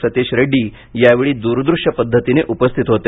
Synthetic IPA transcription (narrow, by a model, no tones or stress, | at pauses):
sət̪eɕɾeɖiː | jaʋeɭiːd̪uɾd̪ɾuʂjəpəd̪ʱːət̪ineʔupəst̪ʰit̪ɦot̪e